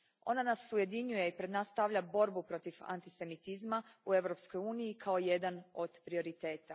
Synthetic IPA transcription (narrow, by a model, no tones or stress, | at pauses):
o̞nanasuje̞d̪iɲuje̞ipɾed̪naːsːt̪aʋʎabo̞ɾbupɾo̞t̪ifa̰nt̪i̥se̞mit̪izmaue̞ʋɾo̞psko̞juːnijikʰaojed̪ano̞d̪pɾio̞ɾit̪e̞ːt̪a